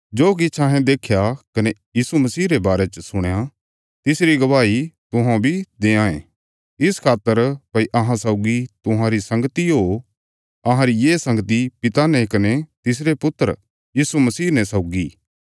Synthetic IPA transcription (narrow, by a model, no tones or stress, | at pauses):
d͡ʒoːk̬ɪt͡ʃʰaɦɛ̃d̪eːkʰjakɐnejiːsumɐsiːɾebaːɾet͡ʃəsʊɽ̃ja | t̪ɪsɾiɡɐʋaːit̪ʊɦãbʱid̪eːãːẽ | ɪskʰaːt̪ːəɾpɐiʔɐɦãsɐʊɡit̪ʊɦãɾisɐ̃ŋɡt̪iɦo | ɐɦãɾijeːsɐ̃ŋɡt̪̬ipɪt̪anɛkɐnet̪ɪs̬ɾepʊt̪ːəɾ | jiːsumɐsiːnɛsaʊɡi